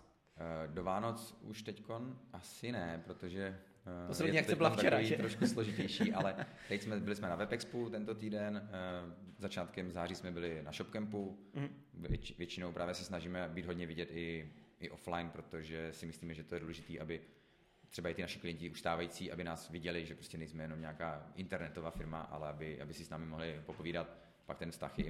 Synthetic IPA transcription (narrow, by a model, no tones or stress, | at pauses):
dovaːnot͡suʃt̪ɛcko̞nʔasɪnɛpɾot̪o̞ʒɛ | ak̪ɛbɪlat̪aɛɾviːt̪ɾoʃkusloʒɪcɛjʃiːʔalɛt̪ɛcsmɛbɪlɪsmɛnavɛpɛksput̪ɛnt̪o̞t̪iːdɛn | zat͡ʃaːt̪kɛmzaːriːsmɛbɪlɪnaʃopkɛmpu | vjɛt͡ʃɪnowpɾʔaːvjɛsɛsnaʒiːmɛbiːd̪ɦo̞d̪ɲɛvɪɟɛt̪ʔɪʔɪʔo̞flajnpɾo̞t̪oʒɛsɪmɪsliːmɛʒɛt̪ojɛduːlɛʒɪt̪iːʔabɪ | t̪r̥ɛbaɪt̪ɪnaʃɪ̥klɪjɛnɲcɪuʃst̪aːvajit͡siːʔa̰bɪnaːsvɪɟɛlɪʒɛpɾoscɛnɛjsmɛjɛno̞mɲɛakaːʔɪnt̪ɛɾnɛt̪ovaːfɪɾma̰ʔa̰lɛʔabɪʔa̰bɪsɪsnaːmɪmo̞ɦlɪpo̞poviːdat̪ | pak̚t̪ɛnfst̪a̰xjɛ̰